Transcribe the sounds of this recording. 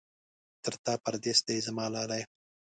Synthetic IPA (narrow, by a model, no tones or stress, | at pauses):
t̪əɾt̪ɑpaɾd̪esd̪ejzamɑːlɑlaj